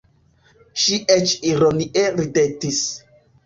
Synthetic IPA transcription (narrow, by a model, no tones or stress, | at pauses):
ʃiʔet͡ʃiɾoniʔeɾidetis